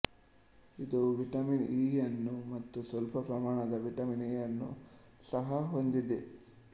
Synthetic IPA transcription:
id̪uʋiʈɐminiːjɐnːumɐt̪ːusʋɐlpɐpɾɐmaːɳɐd̪ɐʋiʈɐminijɐnːu | sɐɦɐɦond̪id̪e

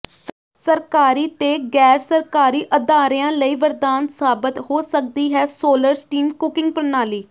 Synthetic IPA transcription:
s | səɾkaːɾiːt̪eːɡɛːɾsəɾkaːɾiːʔəd̪aːɾejãːləiːʋəɾd̪aːnsaːbɪt̪ɦoːsək̚d̪iːɦɛːsoːləɾsʈiːmkʊkɪ̃ŋɡ̚pəɾnaːliː

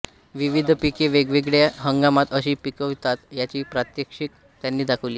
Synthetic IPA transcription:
ʋiʋid̪ʱpikeʋeɡʋeɡɭjaɦəŋɡamat̪əɕiːpikəʋt̪at̪jat͡ɕiːpɾat̪jəkʂik̚ | t̪janːiːd̪akʰəʋliː

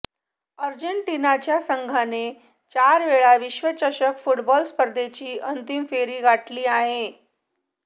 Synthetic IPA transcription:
əɾd͡ʑeɳʈinat͡ɕjasəŋɡʱane | t͡ɕaɾʋeɭaʋiɕʋət͡ɕəɕəkfuʈbɔlspəɾd̪et͡ɕiːʔənt̪imfeɾiːɡʱaʈliːaɦe

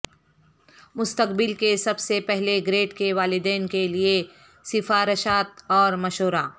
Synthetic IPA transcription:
mʊst̪əkbɪlkesɐbsepɛɦleɡɾeːʈkeʋaːlɪd̪ɛːnkelie | sɪfaːɾɪʃaːt̪̚ɔːɾmɐʃoːɾaː

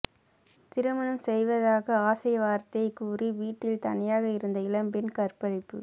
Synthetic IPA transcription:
t̪ɪɾɯmɐɳɯmsɛjʋɐðaːɣɐaːsɐjɐʋaːɾt̪ɐɪkuːriʋiːʈːɪlt̪ɐ̰ɳɪjaːɣɐɪɾɯnd̪ɐɪlɐmpɪnkɐrpɐɻɐɪpːɯ̰

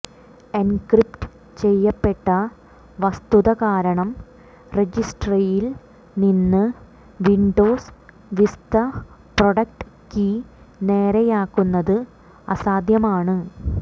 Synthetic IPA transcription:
enkripʈ | t͡ɕe̞jːɐpːe̞ʈːɐ | ʋɐst̪uðɐkaːɾɐɳɐm | red͡ʑisʈrɐjil | ninːɨ | ʋiɳɖo̞ːs | ʋist̪ɐ | proɽɐk̚ʈɨ | ki | ne̞ːɾɐjaːkːunːɐðɨ | ɐ̰saːd̪ʱjɐmaːɳɨ

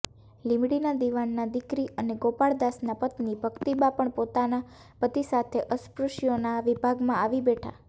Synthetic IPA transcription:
limɽinad̪iʋanːad̪ikɾiʔəneɡopaɭd̪asnapət̪nibʱəɡt̪ibapəɳpot̪ana | pət̪isat̪ʰeʔəspɾuʃjonaʋibʱaɡmãaʋibeʈʰa̰

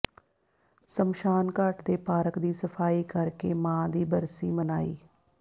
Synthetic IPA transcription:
səmʃaːnkaʈd̪eːpaːɾəkd̪iːsəpʰaːiːkəɾkeːmãːd̪iːbəɾsiːmənaːḭː

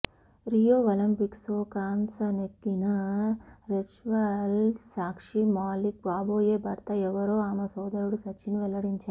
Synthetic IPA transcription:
ɾijoːʋɐlɐmpiksoːkaːnsɐnekːinɐ | ɾet͡ʃʋɐlsaːkʂimaːlik̚baːboːje̞ːbʱɐɾt̪ɐɛʋɐɾoːaːmɐsɔːd̪ɐɾuɽusɐt͡ʃʰːiniʋɛlɐɽiɲt͡ʃaːɾ

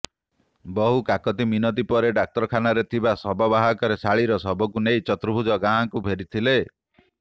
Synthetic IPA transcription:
bɔɦukakɔt̪̬iminɔt̪̬ipɔɾeɖak̚t̪ɔɾɔkʰanaɾet̪ʰibasɔbɔbaɦakɔɾesaɭiɾɔsɔbɔkunejt͡ʃɔt̪ɾubʱud͡ʒɔɡãːŋkubʱeɾit̪ʰile

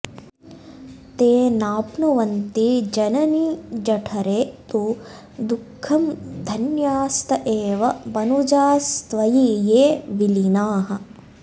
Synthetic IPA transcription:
t̪eːnaːpnuʋɐnt̪id͡ʒɐnɐnid͡ʒɐʈʰɐɾeːt̪u | d̪ukʰːɐmd̪ʱɐnjaːst̪ʰɐʔeːʋɐbɐnud͡ʒaːst̪ʋɐjiːjeːʋilinaːɦɐ̆

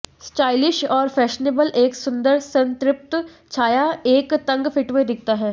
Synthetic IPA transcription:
sʈaːɪlɪʃɔːɾfɛːʃneːbəlʔeːksʊ̃nd̪əɾsɐ̃nt̪ɾɪp̚t̪ | t͡ʃʰaːjaeːkt̪ɐ̃ŋɡfʰɪʈʋed̪ɪk̚ʰt̪aɦɛː

